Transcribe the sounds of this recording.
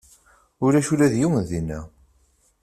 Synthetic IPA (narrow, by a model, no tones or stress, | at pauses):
ʊɾæʃulæðjiwənðinːæ